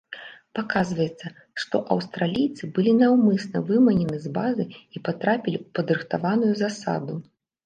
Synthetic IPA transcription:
pakazvɐjɛt̪sːɐ | ʂt̪ɔ̰ʔɐwst̪ɾalʲijt̪sɨbɨlʲinawmɨsnɐ̰vɨmɐnʲɛnɨzbazɨipat̪ɾapʲilʲiwpɐd̪ɾɨxt̪avanujuzasa̰d̪u

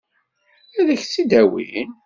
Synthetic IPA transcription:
æðəçt͡sːid̪æwḭn

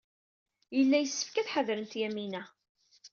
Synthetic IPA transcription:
jəlːæjəsːə̥fkæθħəðɾənt̪jæminæ

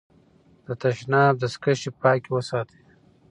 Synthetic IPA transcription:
d̪̥ət̪ɐʃnɑːb̚d̪ɐskɐʃipɑːkiwəsaːt̪ʰi̥

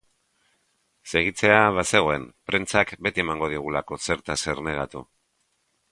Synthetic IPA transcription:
se̞ɣ̞it͡se̞aβase̞ɣ̞o̞e̞mpɾe̞nt͡sakbe̞t̪iemaŋɡo̞ð̞iɣ̞ulako̞se̞ɾt̪ase̞rne̞ɣat̪ṵ

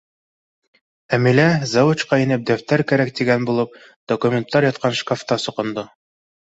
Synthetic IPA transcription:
æmilæzɑwut͡ɕqɑinɘp̚d̪æft̪æɾkæɾæk̚t̪iɡænbulˠɤp̚ | d̪̥okumʲent̪ːɑɾjɑt̪̚qɑnʃkaft̪ɑsŏqŏnd̪o

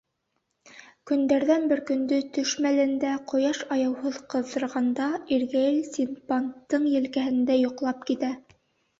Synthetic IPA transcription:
kɵ̆nd̪æɾðænbɘɾkɵ̆nd̪ɵt̪ɵ̆ʃmælɘ̆nd̪æqŏjɑʃɑjɑwhoðqɤ̆ðɤ̆ɾʁɑnd̪ɑiɾɡæjɘlsʲinpant̪ːɤɴjɘ̆lkæɦɘ̆nd̪æjŏqlˠɑp̚kit̪æ

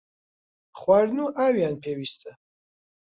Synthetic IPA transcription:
χwaɾnuʔawjanpʰɛwist̪ʰə

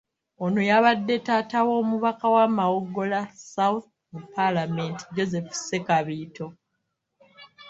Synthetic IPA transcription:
onojaβadːe̞taːtawo̞ːmuβakawamawoɡːo̞lasawθ | mupːalamenti̥d͡ʒo̞ze̞fsekaβiːto̞

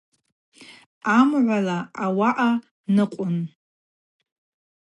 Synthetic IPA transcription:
amʕʷalaːwaʔa | nɨqʷʼʊn

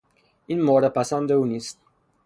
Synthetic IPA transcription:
inmɔːɾapasand̪eunist̪

